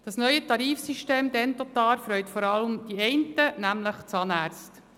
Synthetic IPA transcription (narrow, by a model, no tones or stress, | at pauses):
d̥ɑsnœʏətɑɾiːfsiʃteːmd̪ɛnt̪ɔt̪ɑːlfɾœʏtfɔɾɑləmd̥iɛɪntənæmləχt͡sɑːnæːɾt͡st